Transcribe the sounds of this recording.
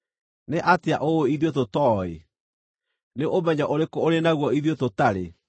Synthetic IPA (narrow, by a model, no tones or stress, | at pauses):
neʔateaʔooiðjototɔːḛ | neʔomɛɲaʔoɾekɔoɾenaɣwɔiðjototaɾe